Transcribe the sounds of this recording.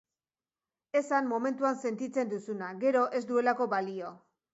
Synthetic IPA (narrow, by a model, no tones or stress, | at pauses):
e̞sanmo̞me̞nt̪uanse̞nt̪it͡se̞nd̪usunaɡe̞ɾo̞ʔe̞zd̪ue̞lako̞βalio̞